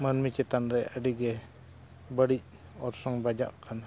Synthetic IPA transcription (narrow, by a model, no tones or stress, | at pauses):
manmit͡ʃɛt̪anɾɛəɖiɡɛ | bəɽic̚ | ɔɾsɔŋbad͡ʒa̰ʔkʰan